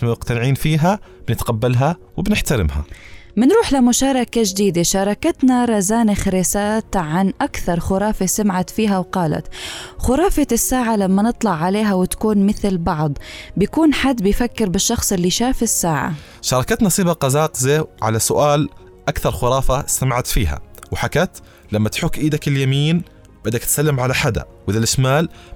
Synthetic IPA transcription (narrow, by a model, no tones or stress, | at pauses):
mʊqt̪anɪʕiːnfiːɦa | b̥ɪnɪt̪qabːalɦa | wɪbnɪħt̪aɾɪ̰mha̰mɪnɾuːħlamʊʃɑːɾˤɑkad͡ʒd̪iːd̪aʃɑːɾˤɑkat̪naɾˤɑzaːnɪxɾeːsaːt̪ʕanʔakθɑɾˤxʊɾˤɑːfasamʕat̪fiːɦawqɑːla̰t̪xʊɾˤɑːfasːaːʕalamːanɨt̪ˤlɑʕːaleːɦawɪt̪ḁkuːnmɪθlbɑʕd̪ˤbjakuːnħad̪ːbɪjfakːɪɾbɪʃːɑxsˤɪlːiʃaːfɪsːaːʕa̰ | ʃɑɾˤɑkat̪nɑsˤiːbɑqɑzɑːqzeːʕa̰lasʊʔaːl | ʔakθɑɾˤxʊɾˤɑːfasamaʕat̪fiːɦa̰wɪħakat̪ | lamːat̪ħʊkːʔiːd̪akɪljamiːn | bad̪ak̚t̪salːɪmʕalaħad̪a̰wɪðalʔɪʃmaːl